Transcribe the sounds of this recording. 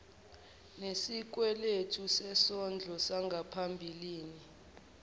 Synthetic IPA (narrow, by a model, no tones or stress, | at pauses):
nesik̬wɛletʰusɛsɔnd͡ɮʱɔsaŋɡʱapʰambʱiliːni